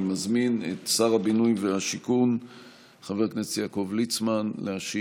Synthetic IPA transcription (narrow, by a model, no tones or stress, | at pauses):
mazminḛt̪saʁabinujvehaʃikun | χaveʁknesjako̞vlit͡smanlehaʃi